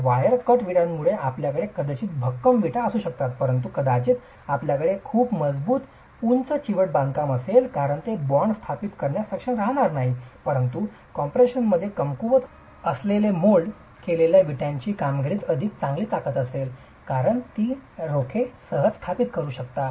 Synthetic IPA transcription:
ʋajəɾkəʈʋiɽamːuɭeapljakəɽekəd̪at͡ɕiːt̪bʱəkːəmʋiʈʰaəsuːɕək̚t̪at̪pəɾənt̪ukəd̪at͡ɕiːt̪ | apljakəɽekʰuːpməd͡zbuːt̪ | unt͡sət͡ɕiʋəʈ̚bãŋɡkaməselkaɾəɳt̪ebɔɳɖst̪ʰapit̪kəɾɳjasakʂəɳɾaɦɽ̃aɾnaɦipəɾənt̪u | kɔmpɾeɕənməd̪ʱːjekəmkuʋət̪ | əslelemoɭ | keleljaʋiʈjãɲt͡ɕiːkamɡiɽiːt̪əd̪ʱik̚t͡sãŋɡliːt̪akət̪əsel | kaɾəɳt̪iːɾokʰesəɦəd͡zst̪ʰapit̪kəɾuːɕəkt̪a

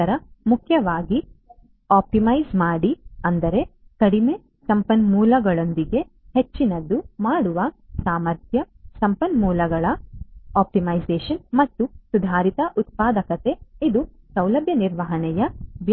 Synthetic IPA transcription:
ɐɾɐmukʰjɐʋaːɡi | aːp̚ʈimɐjzmaːɽiɐnd̪ɐɾe̞kɐɽime̞ | sɐmpɐnmuːlɐɡɐɭo̞nd̪iɡe̞ | het͡ʃːinɐd̪ːumaːɽuʋɐ | saːmɐɾt̪ʰjɐ | sɐmpɐnmuːlɐɡɐɭɐaːp̚ʈimɐjd͡ʒeːʃɐnmɐt̪ːusud̪ʱaːɾit̪ɐʔut̪̚paːd̪ɐkɐt̪e̞id̪u | sɐwlɐbʱjɐniɾʋɐɦɐɳɛjɐʋj

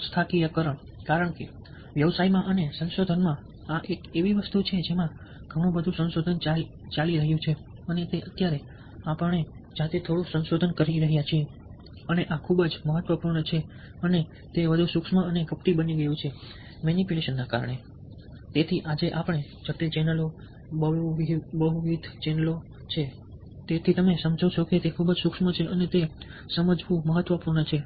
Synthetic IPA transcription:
st̪ʰakiakəɾəɳ | kaɾəɳke | ʋjəʋsaimãʔənesə̃nsod̪ʱənmã | aʔekeʋiʋəst̪ut͡ʃʰed͡ʒemã | ɡ̥ʱəɽ̃ũbəd̪ʱũsə̃nsod̪ʱənt͡ʃa | t͡ʃaliɾəɦjũt͡ʃʰe | ənet̪eʔət̪jaɾe | apəɳ̃ed͡ʒat̪et̪ʰoɽũsə̃nʃod̪ʱənkəɾiɾəɦjat͡ʃʰie | əneʔakʰubəd͡ʒməɦət̪ːʋəpuɾɳət͡ʃʰe | əne | t̪eʋəd̪ʱusukʃməəneɡəpʈibəniɡəjũt͡ʃʰe | menipileʃənːaka̰ɾəɳe | t̪et̪ʰiʔad͡ʒeʔapəɳ̃ed͡ʒəʈelt͡ʃɛnəlo | bəɦuʋibəɦuʋid̪ʱt͡ʃɛnlo | t͡ʃʰe | t̪et̪ʰit̪əmesəmd͡ʒʱot͡ʃʰoket̪ekʰubəd͡ʒsukʂmət͡ʃʰeʔənet̪esəməd͡ʒʋũməɦət̪ːʋəpuɾɳət͡ʃʰe

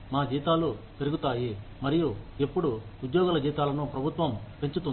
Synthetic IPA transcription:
maːd͡ʒiːt̪aːlu | pe̞ɾuɡut̪aːji | mɐɾijuepːuɽuːd̪jɔːɡulɐd͡ʒiːt̪aːlɐnupɾɐbʱut̪ʋɐmpe̞ɲt͡ʃut̪un

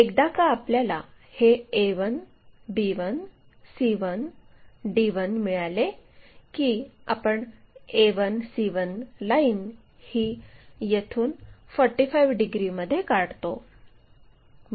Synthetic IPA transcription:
ek̚d̪akaːpljala | heeʋən | biʋən | siʋənɖiʋənmiɭalekiːa̰pəɳeʋənsiʋənlain | hiːjet̪ʰuːnfɔɾʈifajʋɖiɡɾiməd̪ʱːjekaɽt̪o

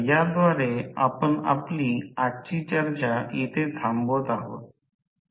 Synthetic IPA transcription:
jaɾd̪ʋaɾea̰pəna̰pliaʈt͡ɕit͡ɕəɾt͡ɕajet̪ʰet̪ʰambot̪aɦo̰t̪̚

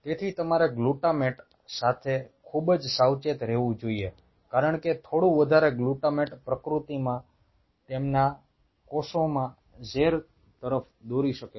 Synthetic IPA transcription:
t̪et̪ʰit̪əmaɾeɡluʈameʈ | sat̪ʰekʰubd͡ʒsawt͡ʃet̪ɾɛɦʋũd͡ʒoie | kaɾəɳket̪ʰoɽũʋəd̪ʱaɾeɡluʈameʈpɾəkɾut̪imã | t̪emna | kosõmã | d͡ʒeɾ | t̪əɾəf | d̪oɾiʃəke

